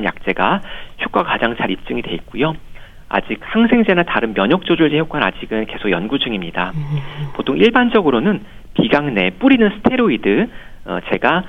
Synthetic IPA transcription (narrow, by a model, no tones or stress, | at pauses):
nja̰k̚t͡ɕ͈e̞ɡaçjuk͈akad͡ʑaŋt͡ɕaɾip̚t͡ɕ͈ɯŋide̞ik̚k͈ujo | a̰d͡ʑik̚haŋsʰe̞ŋd͡ʑe̞nataɾɯnmjʌɲʌk̚t͡ɕ͈od͡ʑuɭd͡ʑʰejok͈anad͡ʑiɡɯnke̞sʰokjʌnɡud͡ʑɯŋimɲidapotʰoŋʔiɭband͡ʑʌɡɯɾonɯn | piɡaŋne̞p͈uɾinɯnsʰɯ̥tʰe̞ɾoidɯ̰t͡ɕe̞̰ɡa